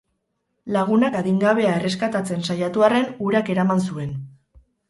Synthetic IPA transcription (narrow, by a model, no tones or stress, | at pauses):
laɣ̞unakaɣiŋɡaβ̞e̞ae̞re̞skat̪at͡se̞nsajat̪uare̞nuɾake̞ɾamans̬ue̞n